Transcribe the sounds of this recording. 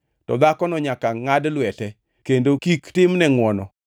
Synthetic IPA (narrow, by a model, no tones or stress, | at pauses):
tɔ̰d̪akɔnɔɲakaŋadlwɛtɛ | kendokiktɪmnɛŋwɔnɔ